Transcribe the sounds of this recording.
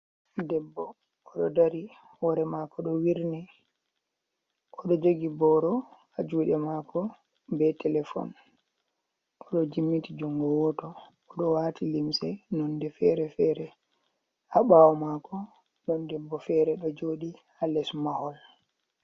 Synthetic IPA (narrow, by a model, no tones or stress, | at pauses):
dɛbːɔː | ɗɔdaɾi | wɔɾɛmakɔɗɔwiɾnɛ | ʔɔɗɔd͡ʒoɡibɔɾɔ | ad͡ʒuːɗɛmakɔ | bɛtɛlɛfɔ̰n | ʔɔɗɔd͡ʒimːitid͡ʒuŋɡɔwɔtɔː | ɗɔwaːtilimsɛnɔndɛfɛɾɛfɛːɾɛ | ʔaɓawɔmakɔ | ɗɔndɛbːɔfɛɾɛɗɔd͡ʒoɗihalɛsmahɔl